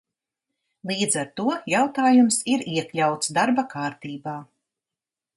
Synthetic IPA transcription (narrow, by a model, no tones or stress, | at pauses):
lˠiːd̪zaɾt̪uɔjawt̪aːjumsiɾiɛklʲawt̪sd̪aɾbakaːɾt̪iːbaː